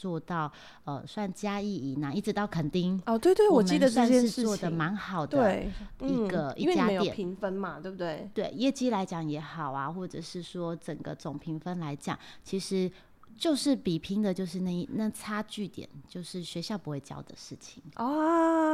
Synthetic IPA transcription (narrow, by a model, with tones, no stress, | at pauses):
t͡swɔ˥˧t̪ɑ˥˩ʊ | ə˨˩swa˥˩nt͡ɕja˥i˥˩i˨˩na˨˩i˥˩ʈ͡ʂɻ̩˧t̪ɑ˥˩ʊkʰə˨˩nt̪i˥ŋɔ˥˧twe˥˩ɪt̪we˥˩ɪwɔ˨˩mt͡ɕəi˥˧d̪ə˨sa˥˧njʂɛ˥ʂɻ̩˥˧ʂ̩˥wɔ˥˨d̪ə˩ma˧˥nxɑ˨˩ʊd̪əwe˥˩ɪi˧˥˩ɡə˧i˥˦we˥a˥mẽ˧˦j̪jɛ˨˩˨i˧˥ŋfə˦nma˨t̪we˥˩bt̪we˥˩ɪt̪we˥˩ɪjɛ˥˧t͡ɕi˥la˧˥ɪt͡ɕjɑ˨˩ŋjɛ˧˥xɑ˨˩ʊa˦xwɔ˥˩ʈ͡ʂə̰˨˩ʂɻ̩˥˩swɔ˥t͡sə˨˩nɡə̰˦t͡so˨˩ŋpʰi˧˥ŋfə˥nla˧˥ɪt͡ɕjɑ̰˨˩ŋt͡ɕʰi˧˥ʂɻ̩˧˥˦ | t͡ɕjo˥˧ʊʂɻ̩˥˩pi˨˩pʰi˧˥ŋd̪ə˨t͡ɕjo˥˧ʊʂɻ̩˥˧na˥˧i˥˩na˥˧t͡sʰa˥t͡ɕy˥˩t̪jɛ̰˨˩˦nt͡ɕjo˥˧ʊʂɻ̩˥˩ɕɥɛ˧˥ɕjɑ˥˩ʊpu˧˦xwe˥˩ɪt͡ɕjɑ̰˥˩ʊd̪ə˨ʂɻ̩˥˩t͡ɕʰi̥˨˩ŋɔ˥˩